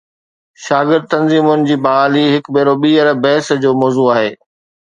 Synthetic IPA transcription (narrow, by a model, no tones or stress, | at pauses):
ʃaːɡɪɾd̪̚t̪ɐnziːmʊnɪ̆d͡ʑiːbɐɦaːliɦɪkbeːɾoɓiːəɾbɛːsd͡ʑoːmɔːzuaːɦeː